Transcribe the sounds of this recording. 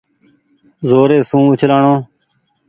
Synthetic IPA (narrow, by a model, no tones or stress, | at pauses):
zoːɾeːsũːʊt͡ʃʰlaːɳõː